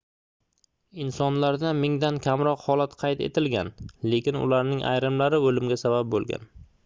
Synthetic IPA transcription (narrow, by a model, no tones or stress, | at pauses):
ɪnsɒnlaɾd̪amɪŋd̪ankʲʰamɾɒqhɒlat̪qʰɑjt̪e̞̰t̪ʰɪlɡʲanle̞kʲɪnʊ̰laɾnɪŋʔa̰jɾɪmlaɾɪolɪmɡʲasabap̚bolˠɡʲa̰n